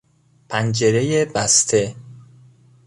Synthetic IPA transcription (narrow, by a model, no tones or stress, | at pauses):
pʰænd͡ʒeɾejebæst̪ʰe